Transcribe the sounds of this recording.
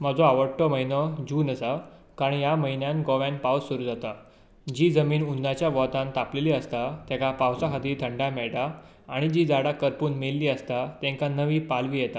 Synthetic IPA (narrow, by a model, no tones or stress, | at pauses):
m̤əd͡zoaʋəʈːəməinɔd͡ʑuːnəsa | kaɾɳjaməinjãnɡɔʋãnpawsuɾuːd͡zat̪a | d͡ʑiːd͡zəmiːnunːat͡ɕjaʋɔt̪ãnt̪apleliːəst̪at̪ɛ̃kapawsaɦad̪iːt̪ʰəɳɖamɛɭʈaː | ɽ̃id͡ʑid͡zaɽakəɾpuːnmelːiːəst̪at̪ɛ̃ŋkanəʋiːpalʋiːjɛt̪a